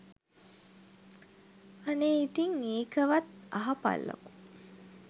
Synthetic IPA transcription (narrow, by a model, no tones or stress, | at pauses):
aneit̪iŋeːkəʋat̪aɦapa̰lːə̰ku̥